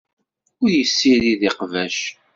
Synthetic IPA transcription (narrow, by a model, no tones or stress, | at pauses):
ʊɾjəsːiɾiðiqvæʃ